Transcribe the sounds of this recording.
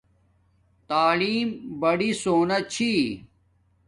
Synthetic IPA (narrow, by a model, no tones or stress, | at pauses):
t̪aːliːmbɐɽisoːnɐt͡ɕʰi